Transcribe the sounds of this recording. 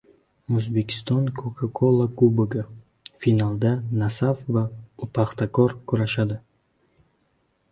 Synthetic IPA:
ozbe̞kʰʲi̥st̪ɔnkʰokʰakʰolˠakubeɡa | finalˠd̪anasafvaupʰaχt̪akʰɔɾkʰuɾaʃad̪ɪ

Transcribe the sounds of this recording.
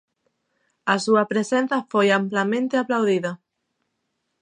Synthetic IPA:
asuɐpɾesen̟θɐfojamplamẽnt̪eaplawðiðɐ

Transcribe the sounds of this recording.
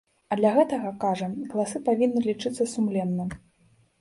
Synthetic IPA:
ɐd̪lʲɐɣɛt̪ɐɣɐkaʐɐɣɐlˠasɨpavʲinːɨlʲit͡ʂɨt̪sːɐsumlʲɛnːɐ

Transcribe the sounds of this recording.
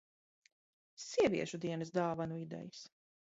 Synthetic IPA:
siɛviɛʃud̪iɛnɨsd̪aːvanuid̪ɛ̰jis

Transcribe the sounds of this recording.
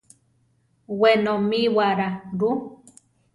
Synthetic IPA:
wenomiwaɾaɾu

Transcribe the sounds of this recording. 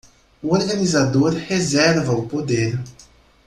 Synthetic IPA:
uoɾɡanizad̪oɾhezɛɾvɐʊpod̪eɾ

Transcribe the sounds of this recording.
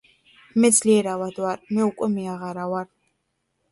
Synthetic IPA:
mɛzliɛɾawad̪waɾmɛukʷʼɛmiaʁaɾawaɾ

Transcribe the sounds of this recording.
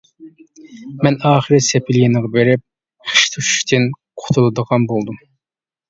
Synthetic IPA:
mɛnɑːχəɾɪsepʰɪljinɨʁɑbeɾɪp̚ | χə̥ʃt̪ʰuʃy̥ʃt̪ʰɪnqʰo̥t̪ʰulˠɨd̪əʁɑnbolˠd̪um

